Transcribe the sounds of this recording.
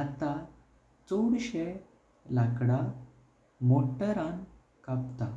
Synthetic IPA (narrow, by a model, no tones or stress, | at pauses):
at̪a | t͡soɽɕe | lakɽa | moʈəɾãn | kap̚t̪a